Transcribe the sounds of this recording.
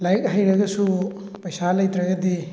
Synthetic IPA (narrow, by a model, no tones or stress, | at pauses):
lajk̚ɦajɾɐɡɐsu | pɐjsalɐjtɾɐɡɐdi